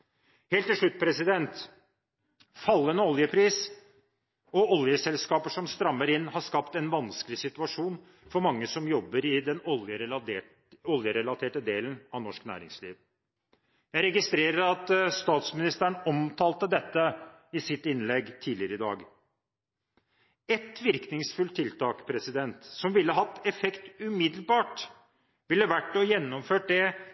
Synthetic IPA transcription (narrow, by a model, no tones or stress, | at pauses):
heːlt̪ːɪʂɭʉt̪̚ːpʰɾɛsɪd̪ɛnt̪ | fɑlːənəɔljəpʰɾiːs | ɔɔljəsɛlskɑːpəʂɔmst̪ɾɑmːəɾɪnːhɑʂkɑpt̪ɛnʋɑnskəlɪsɪt̪ʉɑʂuːn | fɔɾmɑŋːəsɔmjɔbːəɾɪd̪ɛnɔljə | ɔljəɾɛlɑt̪ʰeːʈəd̪eːlənɑʋnɔʂknæ̰ːɾɪŋslḭːʋ | jæɪɾɛɡɪst̪ɾeːɾəɾɑt̪st̪ɑːt̪smɪnɪst̪əɳɔmt̪ʰɑːlt̪əd̪ɛt̪ːə | ɪsɪt̪ɪnlɛɡːt̪ʰiːd̪lɪəɾəɪd̪ɑ̰ːɡ | ɛt̪ʋɪɾknɪŋsfʉlt̪ʰːɪlt̪ʰɑːkpʰɾɛsɪd̪ɛnt̪sɔmʋɪlːəɦɑt̪ːɛfɛkt̪ʉmɪd̪lbɑːʈ | ʋɪlːəʋæʈːɔjɛnːɔmføːʈ̚d̪ɛ